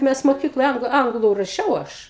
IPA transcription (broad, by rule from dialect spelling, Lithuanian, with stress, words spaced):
ˈmʲɛs moːˈkʲiːklˠoːj ˈɐŋɡlˠʊ ˈɐŋɡlˠʊ rɐˈʃʲɛʊ ˈɐʃ